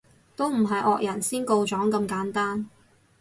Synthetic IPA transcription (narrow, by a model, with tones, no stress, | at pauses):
t̪o˥wm̩˨˩ɦɐ˨jʔɔː˨k̚jɐ˨˩nsiː˥nko˧wt͡ʃɔː˨˥ŋkɐ˧mkaː˨˥nt̪aː˥n